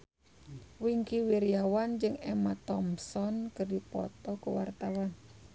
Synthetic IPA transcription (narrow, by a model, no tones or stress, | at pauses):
wiŋkiwiɾiawand͡ʒɨŋɛmat̪ɔmsɔnkɨrdipɔ̰t̪ɔkuwart̪awan